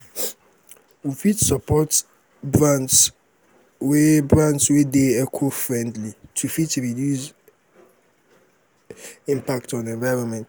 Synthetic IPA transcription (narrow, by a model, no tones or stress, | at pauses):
wufitsapʰɔt | bɹãnts | webɾãntswedeɛkʰofɹɛ̃ndlitʰufitʰuɾidjus | ĩmpʰaktʰɔ̃nɛ̃nvaɪɾɔ̃nmɛ̃nt